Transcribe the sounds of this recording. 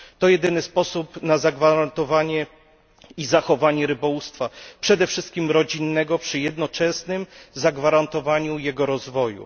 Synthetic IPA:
t̪ɔjɛd̪ɘnɘspɔsupnazaɡvaɾant̪ɔvaɲɛ | izaxɔvaɲɛɾɘbɔwust̪fapʂɛd̪ɛfʂɘst̪̚kʲimɾɔd͡ʑinːɛɡɔpʂɘjɛd̪nɔt͡ʂɛsnɘmzaɡvaɾant̪ɔvaɲujɛɡɔɾɔzvɔjṵ

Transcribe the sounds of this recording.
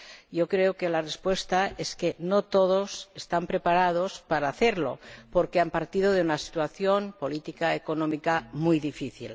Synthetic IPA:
jokɾeokelarespwe̞st̪aeskenot̪oðosest̪ampɾepaɾað̞ospaɾaːθeɾlo̞̰poɾkeampaɾt̪iðoðeunasi̥t̪waθjonpo̞lit̪ikaekonomikamujðifiθḭl

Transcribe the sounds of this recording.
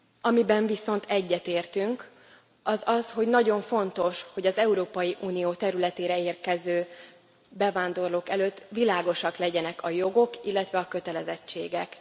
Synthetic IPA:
ɒmibɛɱviso̞nt̪ɛɟːɛt̪eːrt̪yŋk | ɒzɒsho̞ɟnɒɟo̞ɱfo̞n̪t̪o̞ʃho̞ɟɒzɛuɾoːpɒjiʔuːnijoːt̪ɛɾylɛt̪eːɾɛeːrkɛzøː | bɛvaːnd̪o̞rloːkɛløt̪ːʋilaːɡo̞ʃɒklɛɟɛnɛkʰɒjo̞ɡo̞kilːɛt̪ʋɛɒkø̞t̪ɛlɛzɛt͡ʃːeːɡɛk

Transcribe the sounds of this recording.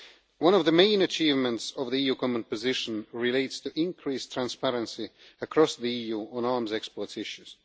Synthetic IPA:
wʌ̃nʌvðəmẽɪ̃nɨt͡ʃʰiːvmə̃ntsʌvðiijukʰɔmə̃npɨzɪʃə̃nɹɪleɪtstʰɨʔɪ̃nkʰɹ̥istʰɹ̥æ̃nspæɹə̃nsiəkʰɹ̥ɔsðiijuːə̃nɑɹmzɛkspɔɹtsɪʃʉz̥

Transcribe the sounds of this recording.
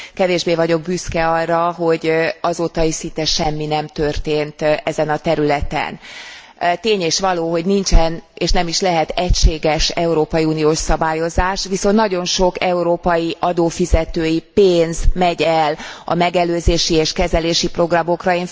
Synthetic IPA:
kɛveːʒbeːvɒɟo̞ɡ̚byskɛɒrːɒɦo̞ɟɒzoːt̪ɒisint̪ɛʃɛmːinɛmt̪ørt̪eːnt̪ɛzɛnɒt̪ɛɾylɛt̪ɛ̰n | t̪eːɲeːʃʋɒloːɦo̞ɟnint͡ʃɛneːʃnɛmiʃlɛɦɛt̪ɛcʃeːɡɛʃɛuɾoːpɒjiuːnijoːʃsɒbaːjo̞zaːʃʋiso̞nt̪nɒɟo̞nʃo̞kɛuɾoːpɒjiʔɒd̪oːfizɛt̪øːjipeːnzmɛɟɛlɒ̰mɛɡɛløːzeːʃieːʃkɛzɛleːʃipro̞ɡrɒmo̞krɒeːn

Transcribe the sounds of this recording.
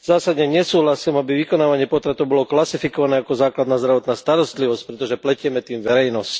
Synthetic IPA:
zaːsad̪ɲɛɲɛsuːɦlasiːmabiʋikɔnaːʋaɲɪɛpɔt̪ɾat̪ɔʊbɔlɔklasifikɔʋanɛːakɔzaːklad̪naːzd̪ɾaʋɔt̪naːst̪aɾɔst̪liʋɔsc̚pɾɛt̪ɔʒɛplɛcɪɛmɛt̪iːmʋɛɾɛjnɔsc

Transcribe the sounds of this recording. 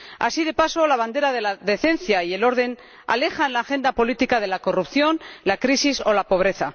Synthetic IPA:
a̰sið̞e̞paso̞laβ̞and̪e̞ɾað̞e̞laðe̞θe̞nθjaie̞lo̞ɾðe̞n | a̰le̞xanlaːxe̞nd̪apo̞lit̪ikað̞e̞lako̞rupθjo̞nlakɾisiso̞lapo̞β̞ɾe̞θa

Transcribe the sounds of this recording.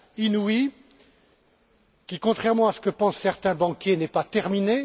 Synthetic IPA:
inuwi | kʲikɔ̃t̪χɛʁmɑ̃asə̥kəpɑ̃sːɛʁt̪ɛ̃bɑ̃kʲjenɛpat̪ɛʁmine

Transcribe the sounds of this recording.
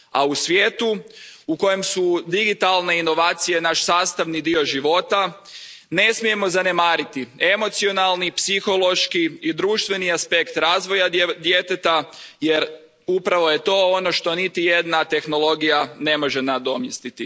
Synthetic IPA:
a̰usʋjeːt̪uuko̞je̞msud̪iɡit̪alˠne̞ino̞ʋaːt̪sije̞naʃsaːst̪aʋnid̪io̞ʒiʋo̞t̪a | ne̞smije̞mo̞zane̞maːɾit̪ie̞mo̞t̪sio̞nalnipsixo̞lˠo̞ʃkiːd̪ɾuːʃt̪ʋe̞niaspe̞kt̪ɾaːzʋo̞jad̪jet̪et̪ajeɾ | upɾaʋo̞je̞t̪o̞ono̞ʃt̪o̞nit̪ije̞d̪nat̪e̞xno̞lo̞ɡijane̞mo̞ʒenad̪o̞mjest̪it̪i

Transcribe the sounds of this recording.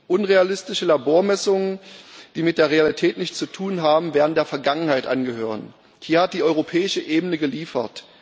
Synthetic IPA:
ʔʊnʁealɪstɪʃəlaboːɐmɛsʊŋənd̥iːmɪt̚d̥eːɐʁealitʰɛːtnɪçtt͡sutʰuːnɦaːbm̩vɛːɐʁntd̥eːɐfɛɐɡaŋənhaɪtʔanɡəhøːʁ̞ən | hiːɐhat̚d̥iːʔɔʏʁopʰɛːɪʃəʔeːbənəɡəliːfɐ̰t

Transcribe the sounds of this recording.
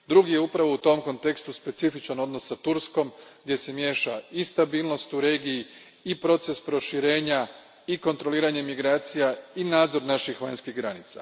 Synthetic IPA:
d̪ɾuɡije̞upɾaʋo̞ut̪o̞mko̞nt̪e̞kst̪uspe̞t̪sifit͡ʃano̞d̪no̞sːat̪uɾsko̞mɡd̪je̞se̞mje̞ːʃaist̪abiːlˠno̞st̪uɾe̞ːɡiji | ipɾo̞t̪se̞spɾo̞ʃiɾe̞ːɲa | iko̞nt̪ɾo̞liːɾaɲemiɡɾaːt̪sijainaːd̪zo̞ɾnaʃixʋaɲskiɣɡɾanit̪sa̰

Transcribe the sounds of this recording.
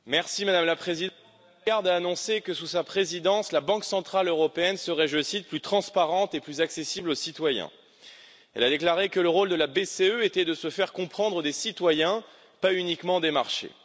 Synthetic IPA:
mɛʁsimad̪amlapχezid̪̃ | ɡaʁd̪aːnɔ̃sekəsusapχezid̪ɑ̃slabɑ̃ksɑ̃t̪χaløʁɔpeɛnsəʁɛʒəsit̪̚plyt̪χɑ̃spaʁɑ̃t̪eplyzaksesiblosit̪wajɛ̰̃ | ɛ̰lad̪eklaʁekələʁold̪əlabeseøet̪ɛd̪əsəfɛʁkɔ̃pχɑ̃d̪ʁəd̪esit̪wajɛ̃ | paynikmɑ̃d̪emaʁʃḛ

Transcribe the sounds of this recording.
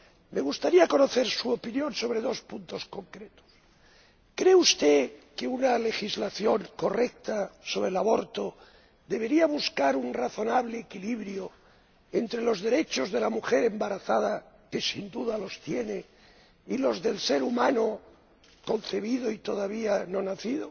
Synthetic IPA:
me̞ɣust̪aɾiako̞noθe̞ɾsuopinjõ̞nso̞β̞ɾe̞ðo̞spunt̪o̞sko̞ŋkɾet̪o̥s | kɾeust̪eke̞unale̞xizlaθjo̞ŋko̞rek̚t̪aso̞βɾe̞laβo̞ɾt̪o̞ | ðe̞βe̞ɾiaβuskaɾunraθo̞naβ̞leːkiliβɾjo | ent̪ɾe̞lo̞zðe̞ɾe̞t͡ʃo̞zðe̞lamuxe̞ɾe̞mbaɾaθaða | ke̞sind̪uðalo̞st̪jene | ilo̞zðe̞lse̞ɾumano | ko̞nθe̞β̞iðoit̪o̞ðaβ̞iano̞naθiðo

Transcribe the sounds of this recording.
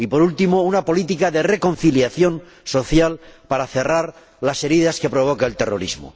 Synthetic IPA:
ipo̞ɾult̪imounapo̞lit̪ikaðe̞re̞ko̞nθiljaθjo̞n | so̞θjalpaɾaθe̞raɾ | lase̞ɾiðaske̞pɾo̞β̞o̞kaelt̪e̞ro̞̰ɾḭzmo̰

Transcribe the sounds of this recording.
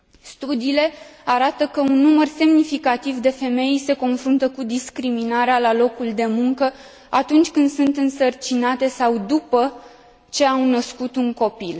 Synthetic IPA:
st̪ud̪iːle̞aɾat̪əkəunːumərse̞mnifikat̪ivd̪e̞fe̞me̞jse̞ko̞nfɾunt̪əkud̪iskɾiminaɾealalo̞kuld̪e̞muŋkə | at̪unt͡ʃʲkɨnd̪sunt̪ɨnsərt͡ʃinat̪e̞sawd̪upə | t͡ʃe̞awnəskut̪uŋko̞pil

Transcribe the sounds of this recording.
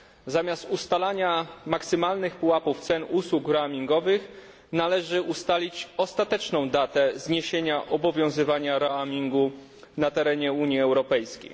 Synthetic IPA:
zamʲjast̪ust̪alaɲamaksɘmalnɘxpuwapuft̪sɛnuswukɾamʲiŋɡɔvɘx | nalɛʐɘʔust̪alʲit͡ɕɔst̪at̪ɛt͡ʂnɔ̃w̃d̪at̪ɛzɲeɕeɲaʔɔbɔvʲjɔ̃w̃zɘvaɲaɾaamʲiŋɡu | nat̪ɛɾɛɲɛuɲjiɛwɾɔpɛjskʲḛj

